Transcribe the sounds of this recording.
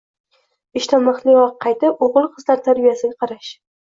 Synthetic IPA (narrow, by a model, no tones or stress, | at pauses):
ɪʃt̪ʰamɑχlˠɪɒqʰːɑjt̪ɪpoʁɨlˠqʰɨzlaɾt̪ʰaɾbijasɪɡʲaqʰɑɾaʃ